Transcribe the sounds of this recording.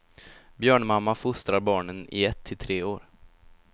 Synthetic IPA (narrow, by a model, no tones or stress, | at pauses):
bjœːɳmamːafʊst̪ɾaɾbɑːɳənɪ̰ɛt̪ʰːɪlt̪ʰɾeːoːɾ